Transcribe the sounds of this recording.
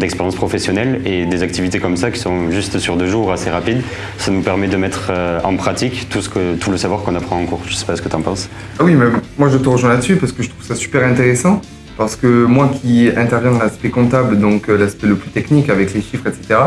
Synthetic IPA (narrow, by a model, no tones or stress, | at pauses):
d̪ɛkspeʁjɑ̃spχɔfɛsjɔnɛled̪ezak̚t̪ivit̪ekɔmsakʲi̥sɔ̃ʒyst̪syʁd̪əʒuʁaseʁapid̪ | sanupɛʁmɛd̪əmɛt̪χøɑ̰̃pχat̪ikt̪usə̥kət̪uləsavwaʁkɔ̃napχɑ̃ɑ̃kuʁʒəsɛ̥pasə̥kət̪yɑ̃pɑ̃s | awimɛmwaʒət̪əʁəʒwɛ̃lad̪sypaʁsə̥kəʒət̪χuvsasy̥pɛʁɛ̃t̪eʁesɑ̃ | paʁsə̥kəmwakʲʰiɛ̃t̪ɛʁvjɛ̃d̪ɑ̃laspɛkɔ̃t̪abld̪ɔ̃klaspɛləplyt̪ɛknikavɛkleʃifχɛt̪se̥t̪eʁa